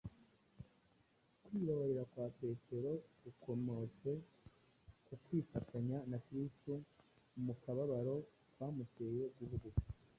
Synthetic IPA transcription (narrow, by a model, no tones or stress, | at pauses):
kwiːβaβaɾeɾakwaːpe̞ːtʰe̞ɾo̞ɡukʰo̞mo̞t͡se̞ | kukwiːfatʰaɲanakɾistu | mukaβaβaɾo̞ | kwaːmuteje̞ɡuβuɡu